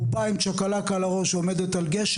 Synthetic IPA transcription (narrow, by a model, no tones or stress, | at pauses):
paimt͡ʃakalakalaʁo̞ʃo̞me̞d̪et̪alɡeʃ